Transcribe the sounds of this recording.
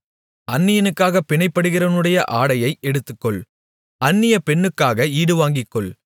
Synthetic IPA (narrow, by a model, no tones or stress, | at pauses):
ɐnːɪjɐnɯkːaːɣɐpɪɳɐɪpːɐɽɯɣɪrɐʋɐnɯɽɐjɐʔaːɽɐjɐɪɛɽɯt̪ːɯkːɔɭ | ɐnːɪjɐpɛɳːɯkːaːɣɐiːɽɯʋaːŋɡɪkːɔɭ